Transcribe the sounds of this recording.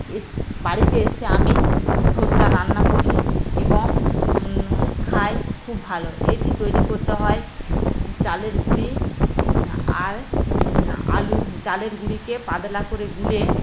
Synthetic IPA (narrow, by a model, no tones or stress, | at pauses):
ebaɽit̪eeseamid̪ʱoʃaɾanːakoɾikiboŋ | kʰaekʰubːʱaloḛjʈit̪ojɾikoɾt̪eɦɔe | t͡ɕaleɾɡuɽi | aɾ | a̰lut͡ɕaleɾɡuɽikepad̪lakoɾeɡule